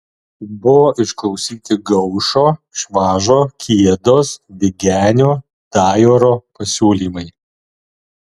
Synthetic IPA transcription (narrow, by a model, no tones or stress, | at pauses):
bʊʋoːʔɪʃklˠɒʊsʲiːt̪ʲɪɡɐʊʃoːʃʋɑːʒoːkʲiɛd̪oːsʋʲɪɡʲæːnʲoː | d̪̥ɑːjoːɾoːpɐsʲuːlʲiːmɐɪ